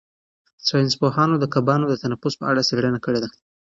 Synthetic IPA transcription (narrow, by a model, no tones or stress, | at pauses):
saɪnspohɑnod̪əkabɑnod̪ət̪anafʊspəʔa̰ɽaseɽənakəɽed̪a